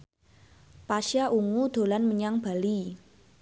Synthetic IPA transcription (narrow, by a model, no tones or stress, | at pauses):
paʃaʔuŋud̪̥o̤lanməɲaŋb̥a̤li